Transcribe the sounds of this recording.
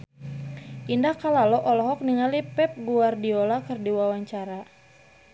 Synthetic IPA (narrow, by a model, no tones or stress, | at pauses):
ʔindahkalalɔʔɔlɔɦɔk̚niŋalipɛp̚ɡuardiolakɨrdiwawaɲt͡ʃaɾa